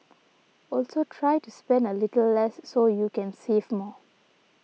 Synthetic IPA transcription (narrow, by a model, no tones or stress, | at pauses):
ɔlsotʰɹajtuspɛ̃ndəlitəl̩lɛsːojukɛ̃nsevmɔ